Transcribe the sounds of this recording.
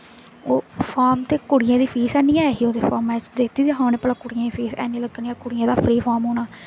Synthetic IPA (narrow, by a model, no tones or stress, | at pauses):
oːpʰaːɾmt̪eːkʊɽɪjãːd̪iːpʰiːsɛːnijãːɛːɦiːoːd̪eːpʰaːɾmɛːt͡ʃd̪eːt̪iːd̪iɦãːnẽːpəlaːkʊɽɪjãːpʰiːsɛ̰ːnĩːləɡniãːkʊɽɪjãːd̪aːpʰɾiːpʰaːɾmɦoːnaː